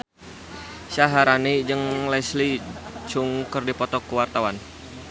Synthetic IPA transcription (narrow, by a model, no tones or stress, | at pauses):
ʃaɦaɾanid͡ʒɨŋlɛslit͡ʃuŋkərdipɔt̪ɔkuwart̪awan